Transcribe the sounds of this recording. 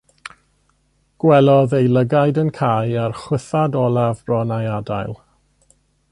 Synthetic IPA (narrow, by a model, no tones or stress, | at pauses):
ɡ̥wɛlɔðejlˠəɡajdənkʰajarχwɪθadɔlˠavrɔnajadajlˠ